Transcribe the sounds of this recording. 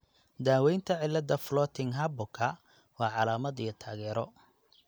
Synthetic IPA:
d̪aːwɛjnt̪ʰɐʕɪlːɐd̪ɐflɔːt̪ʰɪŋɦɐbɔkʰɐ | wɑːʕɑlaːmɐd̪ijɐt̪ʰaːɣɛːɾɔ

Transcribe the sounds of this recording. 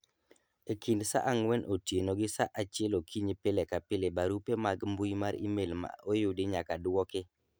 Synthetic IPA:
ekʰindsa̰ʔaŋwɛnʔotjenoɡɪsaʔat͡ʃɪɛlokʰiɲepelekapɪlebaɾupemaɡmbujmaɾḭmelma̰ʔojʊdɪɲakadwɔkɪ

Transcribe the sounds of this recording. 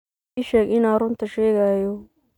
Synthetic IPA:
ɪʃɛːɡɪnɐɾʊnt̪ʰɐʃɛːɣajɔ

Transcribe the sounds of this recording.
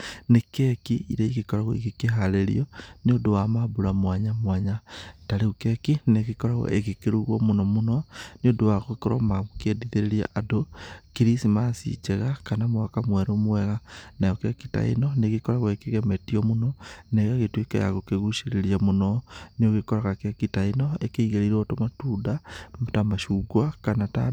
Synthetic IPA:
nekekiḭɾeiɣekɔɾaɣo̰ḭɣikeɦaɾeɾḭɔniodowamabuɾamwaɲamwaɲataɾeɣukekineɣekɔɾaɣɔ̰ʔeɣekeɾuɣwɔmonɔmonɔneodowaɣokoɾɔ̰maɣokediðeɾeɾia̰ʔadokiɾisimasḭt͡ʃɛɣakanamwakamwɛɾomwɛɣanajokekita̰ḛnɔneɣikɔɾaɣwɔekeɣɛmɛtiɔmonɔneɣaɣetwekḛja̰ɣokeɣuʃeɾeɾjamonɔnioɣekɔɾaɣakekitaenɔekeiɣeɾiɾotomatuːdamtamaʃuɡwakanata̰

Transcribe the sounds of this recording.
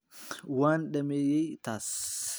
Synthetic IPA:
waːnᶑɐmeːjɛjt̪aːs

